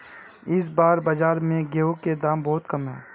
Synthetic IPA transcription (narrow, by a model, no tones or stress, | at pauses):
ɪs̬baːɾbad͡ʒaːɾmẽɡeːoked̪aːmbɔːt̪kɐmɦɛ̰ː